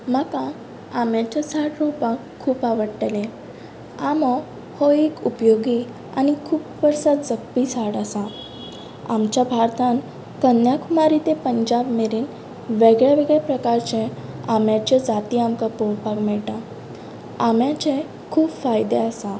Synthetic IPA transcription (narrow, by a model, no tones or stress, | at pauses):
m̤akãː | mjat͡ɕesaɽɾopakʰːuːpaʋəɽʈəle | amɔ | hoikupjoɡi | a̰ñikʰuːpʋəɾsat̪d͡zəkpisaɽasa | a̰mt͡ɕjabʱaɾt̪ʰãn | kənjakʰumaɾit̪epəɲd͡ʑabmeɾiːn | ʋeɡɭjaʋeɡɭepɾəkaɾt͡ɕẽamjat͡ɕed͡zat̪iamkapoɾpakmɛɭʈã | amjat͡ɕẽ | kʰuːbfajd̪easa